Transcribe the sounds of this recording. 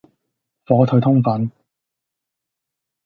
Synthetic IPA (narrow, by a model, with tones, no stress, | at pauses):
fɔː˨˥t̪ʰɵ˧ɥt̪ʰʊ˥ŋfɐ˨˥n